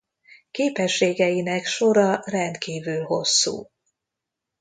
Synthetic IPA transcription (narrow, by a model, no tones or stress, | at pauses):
keːpɛʃːeːɡɛjinɛkʃo̞ɾɒrɛnt̪kiːvylho̞sːṵː